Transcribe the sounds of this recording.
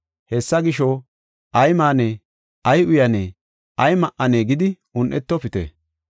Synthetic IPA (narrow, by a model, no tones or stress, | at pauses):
hɛsːɐɡɪʃɔ | ʔɐjmaːne | ʔɐjʊjɐneː | ɐjmɐʔɐneːɡɪd̪ɪ | ʊnʔɛt̪ːɔpɪt̪ḛ